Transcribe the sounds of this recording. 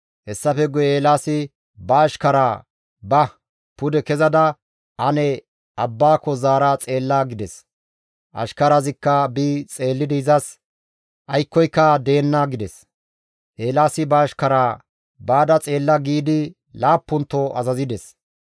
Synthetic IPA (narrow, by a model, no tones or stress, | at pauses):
hɛsːɐfɛɡʊeːlaːsɪ | bɐːʃkɐɾaː | bɐ | pʊd̪ɛkɛzɐd̪ɐ | ʔɐnɛ | ʔɐbːaːkɔzaːɾat͡sʼe̞ːlːɐɡɪd̪ɛs | ʔɐ̰ʃkɐɾazɪkːɐbit͡sʼe̞ːlːɪd̪ɪɪzɐs | ʔɐjkːɔjkːɐd̪e̞ːnːɐɡɪd̪ɛs | ʔe̞ːlaːsɪbɐːʃkɐɾaː | baːd̪ɐt͡sʼe̞ːlːɐɡiːd̪ɪ | laːpːʊnt̪ːɔʔɐzɐzɪd̪ɛs